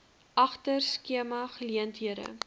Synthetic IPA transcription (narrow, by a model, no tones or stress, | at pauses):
ʔɐχtərskiəmɐχəliəntɦiəɾə̰